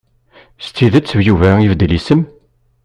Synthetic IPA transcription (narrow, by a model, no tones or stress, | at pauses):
st͡s̪ːiðət͡sːəvjuvæivd̪lisəm